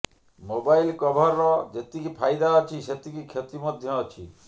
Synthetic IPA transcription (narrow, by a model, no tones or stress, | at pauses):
mobailkɔbʱɔɾːɔd͡ʒet̪ikipʰajd̪aɔt͡ʃʰiʃet̪ikikʰjet̪imɔd̪ʱjɔːt͡ʃʰḭ